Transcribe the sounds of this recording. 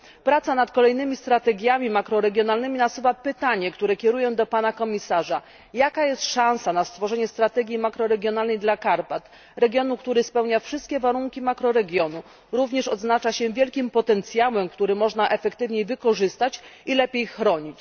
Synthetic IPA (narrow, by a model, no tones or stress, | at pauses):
pɾat̪sanat̪kɔlɛjnɘmʲist̪ɾat̪ɛɡʲjamʲimakɾɔɾɛɡʲjɔnalnɘmʲinasuvapɘt̪aɲɛkt̪uɾɛkʲjɛɾujɛ̃d̪ɔpanakɔmʲisaʐa | jakajɛst̪ʂãñsanast̪fɔʐɛɲɛst̪ɾat̪ɛɡʲjimakɾɔɾɛɡʲjɔn̪alnɛjd̪lakaɾpat̪ | ɾɛɡʲjɔnukt̪uɾɘspɛwɲafʂɘst̪̚kʲɛvaɾuŋkʲimakɾɔɾɛɡʲjɔnu | ɾuvɲɛʂɔd̪znat͡ʂaɕɛvʲjɛlkʲimpɔt̪ɛnt̪sʲjawɛmkt̪uɾɘmɔʐnaʔɛfɛkt̪ɘvɲejvɘkɔʐɘst̪at͡ɕilɛpʲjejxɾɔɲit͡ɕ